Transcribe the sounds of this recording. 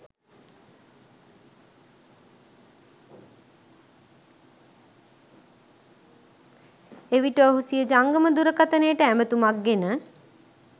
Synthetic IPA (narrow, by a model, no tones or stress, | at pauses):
eʋiʈəoɦusijəd͡ʒaŋɡəməd̪uɾəkat̪ənejəʈəæmət̪umak̚ɡenə